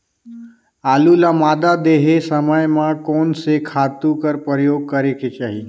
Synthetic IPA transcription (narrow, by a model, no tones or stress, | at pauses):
aːlulamaːd̪ad̪eːɦesəməjmãkoːnsekʰaːt̪ukəɾpəɾəjoːɡ̚kəɾeket͡ʃaːɦiː